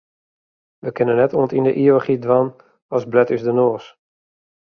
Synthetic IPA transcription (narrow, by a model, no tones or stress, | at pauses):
ʋəkɪnənːɛtuə̃ntindəʔioχidʋan | ɔsblɛtysdənoːs